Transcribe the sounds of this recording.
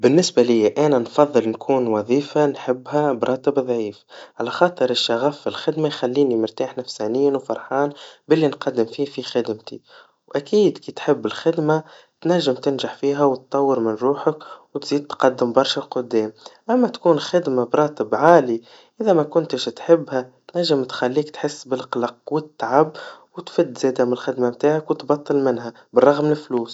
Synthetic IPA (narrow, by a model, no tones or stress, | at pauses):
bɪnːɪsbalɪjːæʔænænfɑðˤːɨlnkʰuːnwɑðˤiːfanħɪbːhæbɾˤɑːt̪əbðˤʕiːfʕalæxɑːt̪ˤɨɾɪʃːaɣafːɪlxɪd̪majxælːiːnimɪɾt̪aːħnæfsaːnɪjːanwfɑɾˤħɑːnbɪlːinqɑd̪ːɪmfiːfixɪd̪mt̪ḭ | wʔækiːd̪kiːt̪ħɪbːɪlxɪd̪ma | t̪næʒːɪmt̪ɪnʒaħfiːɦæwt̪t̪ˤːɑwːəɾmɪnɾˤuːħəkwt̪ziːd̪̚t̪qɑd̪ːɪmbɑɾˤʃalqʊd̪ːɛːmʔæmːæt̪kuːnxɪd̪mabɾˤɑːt̪ɪbʕaːli | ʔɪðæmækʊnt̪əʃt̪ħɪbːhæt̪næʒːɪmt̪xælːiːkt̪ħɪsːbɪlqlɑqwɪt̪t̪ːʕabwɪt̪fɪd̪ːzɛːd̪æmɪnlxɪd̪mamt̪aːʕakwɪt̪bɑt̪ˤːɨlmɪnɦæ | bərˤːɑɣmlɪfluːs